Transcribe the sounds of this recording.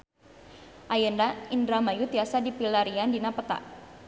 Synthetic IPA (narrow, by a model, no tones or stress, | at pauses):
ʔajəndaindɾamajut̪iasadipilaɾiandinapət̪a̰ʔ